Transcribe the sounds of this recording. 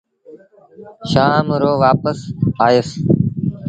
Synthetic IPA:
ʃaːmɾoːʋaːpəsaːjəs

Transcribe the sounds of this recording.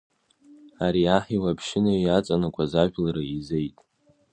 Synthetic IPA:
aɾiaħiwapʰʃɪnaiat͡sʼanakʷʰʼazaʒᶣlaɾaizejtʼ

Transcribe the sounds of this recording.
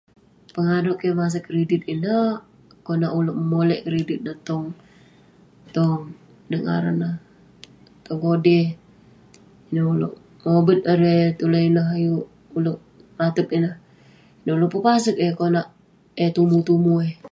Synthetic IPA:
pəŋadoʔkemas̬əkːɾedit̪̚inə | konaʔuloʔməmolɛʔkɾedit̪̚nət̪ɔŋ | t̪oŋ | nəŋa̰ɾa̰nah | t̪ɔŋkodɛ | inəulo̰ʔ | mobət̪̚əɾet̪ulənaɦajuʔ | uloʔ | rat̪əp̚inəh | inauloʔpəpasək̚ekonaʔ | et̪umut̪umue

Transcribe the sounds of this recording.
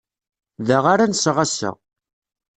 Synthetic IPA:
ðaʁaɾansʁasə̰ʁ

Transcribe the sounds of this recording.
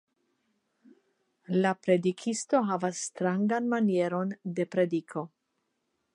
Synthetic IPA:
lapɾe̞dikʰist̪o̞ɦavasːt̪ɾaŋɡanmanje̞ɾonde̞pɾedikʰo̞

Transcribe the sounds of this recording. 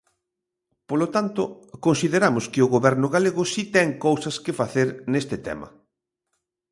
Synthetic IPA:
polot̪ant̪ʊ | konsiðeɾamʊskɪʊɣoβɛɾnʊɣaleɣʊsit̪ɛŋkowsɐskɪfaθeɾnest̪ɪt̪ɛ̰mɐ̰

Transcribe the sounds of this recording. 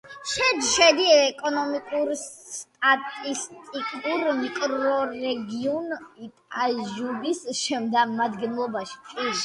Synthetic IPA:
ʃɛd͡ʒʃɛd̪iɛkʼɔnɔmikʼuɾt̪ʼat̪ʼist̪ʼikʼuɾmikʼɾɔɾɛɡiɔnit̪ʼaʒubisʃɛmd̪amad̪ɡɛnlˠɔbaʃi̥tʼi

